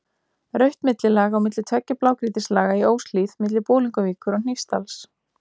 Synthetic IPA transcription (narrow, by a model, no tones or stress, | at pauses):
rœɥht̪mɪt̪lɪlaːɣaːwmɪt̪lɪt̪ʰvœcːaplaːwkɾiːt̪ɪslaːɣaioːwsliːθmɪt̪lɪpoːliŋkʏviːkʏɾɔn̥ifst̪als